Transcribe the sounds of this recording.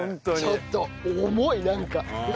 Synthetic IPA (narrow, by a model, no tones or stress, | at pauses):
t͡ɕot̪ːoomoinãŋka